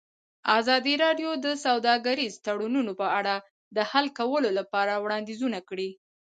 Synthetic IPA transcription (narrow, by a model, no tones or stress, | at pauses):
azɑd̪iɾɑɖjod̪əsawd̪ɑɡaɾizt̪aɽununopəaɽa | d̪əhalkawəlolapɑɾawɽɑnd̪izunakɽi